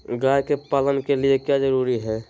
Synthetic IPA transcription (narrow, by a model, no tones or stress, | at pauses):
ɡajkepaːlənkeliekjad͡ʒəɾuɾiɦɛ